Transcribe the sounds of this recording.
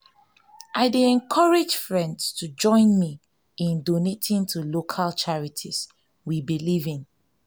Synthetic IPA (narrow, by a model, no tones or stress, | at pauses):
ʔaɪdeɛ̃nkʰɔɹed͡ʒfɹɛ̃ndstʰud͡ʒɔ̃ɪ̃nmi | ĩndonetʰĩntʰulokʰalt͡ʃaɹitʰis | wibilivĩn